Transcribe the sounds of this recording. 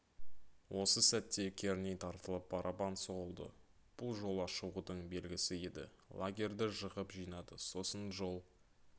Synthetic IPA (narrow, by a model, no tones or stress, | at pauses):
wʔo̞səsæt̪ːe̞kʲʰe̞ɾnijt̪ʰɑɾt̪əlˠəp̚ːʰɑɾʔɑpɑnsoʁəlˠd̪ə̰b̥ʊlˠʒo̞lˠɑʃəwud̪əɴbe̞lɡʲɪsɪe̞d̪ɪ̰ | lˠaɡʲe̞ɾd̪ɪʒəʁəpʒijnɑd̪əso̞sənʒo̞lˠ